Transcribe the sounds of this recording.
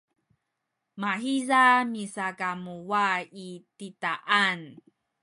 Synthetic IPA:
maɦizamisakamuwaititaʔan

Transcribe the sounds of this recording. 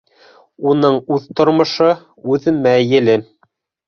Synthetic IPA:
unɤɴʉðt̪ŏɾmŏʃɤ | ʉðmæjɘ̆lɘn

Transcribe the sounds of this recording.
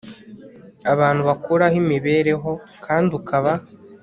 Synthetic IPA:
aβaːn̥huβakuɾahimiβe̞ːɾe̞ɦo̞kʰaːndukʰaβa

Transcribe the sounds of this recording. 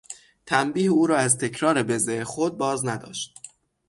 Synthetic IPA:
t̪ʰæmbiːhuːɾɒːæzt̪ʰe̞cʰɾɒːɾebe̞zexod̪̚bɒːznæd̪ɒ̰ːʃt̪̚

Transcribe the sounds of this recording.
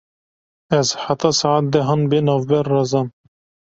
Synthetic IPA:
ɛzħat̪ɑsɑʕat̪̚d̪ɛɦɑnbenɑːvbɛɾːɑzɑːn

